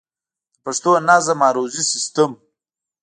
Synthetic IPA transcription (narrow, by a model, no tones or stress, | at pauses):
paʂt̪onazamaːɾozisist̪əm